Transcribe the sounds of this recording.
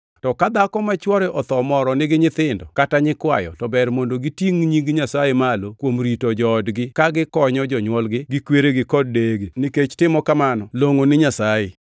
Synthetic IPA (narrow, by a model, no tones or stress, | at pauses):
tɔkad̪akɔmat͡ʃwɔɾɛʔɔt̪ɔmɔɾɔnɪɡɪɲɪt̪ɪndɔkataɲɪkwa̰jɔ̰tɔbɛrmondoɡitiŋɲiɡɲasajemalokwomɾitod͡ʒɔːdɡɪkaɡɪkɔɲɔd͡ʒɔɲwɔlɡɪɡɪkweɾeɡɪkɔd̚ːeɡenɪket͡ʃtɪmɔkamanɔloŋonɪɲasaje